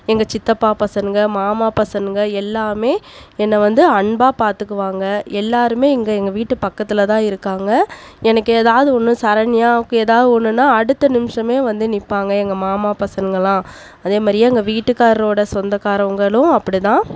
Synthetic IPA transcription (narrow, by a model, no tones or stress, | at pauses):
ɛŋɡɐt͡ʃɪt̪ːɐpːaːpɐsɐnŋɡɐmaːmaːpɐsɐnɡɐɛlːaːmeːɛnːɐʋɐnd̪ɯɐɳbaːpaːɾt̪ɯkːɯʋaːŋɡɐɛlːaːɾɯmeːɛŋɡɐɛŋɡɐʋiːʈːɯpɐkːɐt̪ːɪlɐt̪ãːɪɾɯkːaːŋɡɐɛnɐkːɯɛːðaːʋðɯɔnːɯ̃sɐɾɐnɪjaːʋɯkːɯ̃eːðaːʋðɯɔnːɯnːãːɐɽɯt̪ːɐnɪmʂɐmeːʋɐnd̪ɯnɪpːaːŋɡɐɛŋɡɐmaːmaːpɐsɐnɡɐɭãː | ɐðeːmaːdɾɪjaɐŋɡɐʋiːʈːɯkːaːɾɐloːɽɐsɔnd̪ɐkːaːɾɐŋɡɐɭʊ̃ɐpːɐɽit̪ãː